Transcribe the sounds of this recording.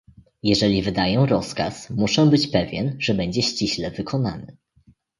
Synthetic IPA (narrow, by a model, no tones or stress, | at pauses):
jɛʐɛlʲivɘd̪ajɔ̃w̃ɾɔskasmuʂɛbɘt͡ɕpɛvʲjɛnʐɛbɛɲd͡ʑɛɕt͡ɕiɕlɛvɘkʰɔna̰nɘ̰